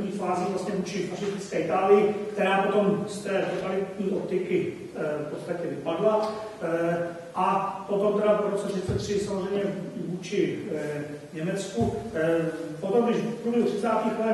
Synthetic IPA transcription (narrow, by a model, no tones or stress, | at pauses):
ɲiːfaːzivlast̪ɲɛvuːt͡ʃɪfaʃɪst̪ɪt͡skɛːɪt̪aːlɪjɪkt̪ɛɾaːpo̞t̪o̞mst̪ɛːt̪ɛt̪alɪt̪ɲiːʔott̪ɪkɪ | fpot̪st̪acɛvɪpadla | ʔapot̪omt̪ɛɾapoɾosɛt̪ʃɪɾt͡sɛt̪r̝̥ɪsamozr̝ɛjmɲɛvuːt͡ʃɪ | ɲɛmɛt͡sku | pot̪omɡdɪʃpɾubjɛɦut̪rɪt͡saːt̪iːxɛ